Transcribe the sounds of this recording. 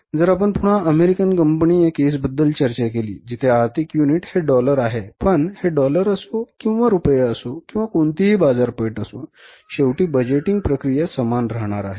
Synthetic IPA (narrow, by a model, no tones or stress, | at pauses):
d͡zəɾap̬əɳp̪uɽ̤aʔəmeɾikənkəmpnijekes̬bəd̪ːəlt͡ɕəɾt͡ɕakelḭːd͡ʑit̪ʰeaɾt̪ʰikjuniʈheɖɔləɾaɦepəɳheɖɔləɾəsokĩw̃ʋaɾupjaəsokĩw̃ʋakoɳt̪iɦibad͡zaɾpəjʈəso̰ | ɕewʈiːbəd͡ʑeʈiŋɡ̚pɾəkɾijasəmanɾəɦɳ̃aɾa̰ɦe